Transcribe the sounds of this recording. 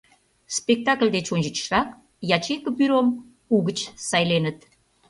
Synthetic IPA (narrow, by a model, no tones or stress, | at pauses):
spek̚t̪ɑklʲd̪et͡ɕonʲʒət͡ɕʃrɑk̚ | jɑt͡ɕekəpyɾom | uɣət͡ɕsɑjlenət̪